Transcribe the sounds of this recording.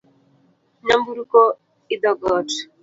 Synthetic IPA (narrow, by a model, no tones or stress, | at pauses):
nambuɾukɔ | id̪ɔɡɔt